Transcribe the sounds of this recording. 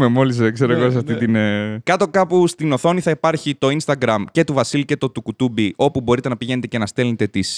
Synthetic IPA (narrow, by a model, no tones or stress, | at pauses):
memo̞lisekse̞ɾoeɣos̬ɐft̪it̪inekɐt̪o̞kɐpust̪ino̞θo̞niθɐipɐɾçit̪o̞inst̪ɐɡɾɐmce̞t̪uvɐsilce̞t̪o̞t̪ukut̪ubio̞pubo̞ɾit̪e̞nɐpiʝe̞net̪ecenɐst̪e̞let̪e̞t̪is